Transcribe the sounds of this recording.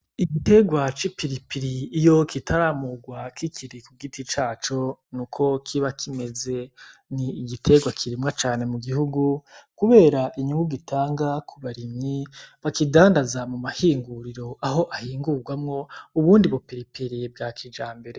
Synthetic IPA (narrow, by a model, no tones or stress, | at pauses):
iɡite̞ɡwat͡ʃipiɾipiɾiːjokitʰaɾaːmuɡwakʰikʰiɾikuɡitit͡ʃaːt͡ʃo̞nukʰo̞kʰiβakʰime̞ze̞niːɡitʰe̞ɡwakʰiɾimŋat͡ʃaːne̞muɡihuɡukuβe̞ːɾaʔiɲuŋɡuɡitʰaːŋɡakʰuβaɾimɲiβakidaːndazamumahiːŋɡuɾiɾo̞aɦo̞ʔahiːŋɡuɡwamŋo̞uβuːndiβopiɾipiɾibɡaːkʰid͡ʒaːmbe̞ɾe̞